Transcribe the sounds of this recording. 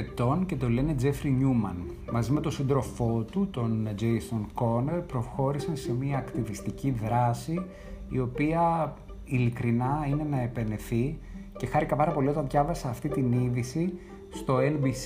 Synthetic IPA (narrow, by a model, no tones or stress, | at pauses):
t̪o̞nce̞t̪o̞le̞ne̞d͡ze̞fɾiɲumɐ̰n | mɐzimet̪osind̪ɾo̞fo̞t̪ut̪o̞nd͡ʒejso̞nko̞neɾpɾo̞xo̞ɾisɐse̞miɐːkt̪ivist̪iciðɾɐsiː | o̞piɐ | ilikɾinɐine̞nɐe̞pe̞ne̞θi | ce̞xɐɾikɐpɐɾɐpo̞lio̞t̪ɐnðʝɐvɐsɐːft̪it̪iniðisi | st̪o̞enbi